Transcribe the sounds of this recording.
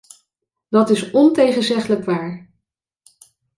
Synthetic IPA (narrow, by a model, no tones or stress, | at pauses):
dɑtɪsɔntejχənzɛχələkʋaːɹ